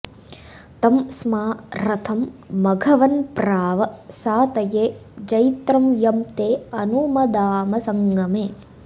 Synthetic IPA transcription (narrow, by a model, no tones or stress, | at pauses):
t̪ɐmsmaːɾɐt̪ʰɐmːɐɡʱɐʋɐnpɾaːʋɐsaːt̪ɐjeːd͡ʒɐjt̪ɾɐmjɐmt̪eːɐnumɐd̪aːmɐsɐŋɡɐmeː